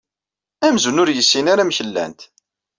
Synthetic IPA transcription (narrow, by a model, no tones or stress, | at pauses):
æmzunʊɾjəsːinaɾamçəlːæ̰nt̪